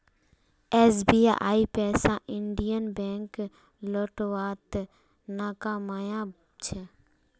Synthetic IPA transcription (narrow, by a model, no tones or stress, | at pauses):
ɛːs̬biːa̰ʔa̰ːipɛːsaʔɪɳɖijənbɛ̃ːŋk | loːʈʋaːt̪ | naːkaːmaːjã | t͡ʃʰɛ